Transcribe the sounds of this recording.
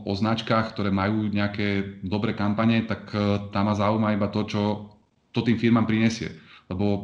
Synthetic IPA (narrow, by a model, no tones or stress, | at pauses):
ʔɔznat͡ʃkaːxkt̪ɔɾɛːmajuːɲɛakɛːd̪ɔbɾɛːkampaɲɛt̪akt̪aːmazaːumaibat̪ɔt͡ʃɔ | t̪ɔt̪iːmfiɾmaːmpɾiɲɛsɪɛ̰lɛbɔ